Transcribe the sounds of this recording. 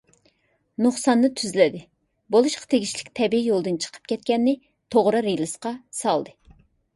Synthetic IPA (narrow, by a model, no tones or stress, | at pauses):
nuχsɑnːɨt̪ʰyzlɪd̪ɪ | bolˠuʃqɑ̥t̪ʰeɡʲiʃlɪkʲt̪ʰɛbiijolˠd̪ɨnt͡ʃʰə̥qʰə̥p̚kʲʰɛt̪̚kʲɛnːɪ | t̪ʰoʁɾɨɾelˠɨsqɑsɑlˠd̪ɨ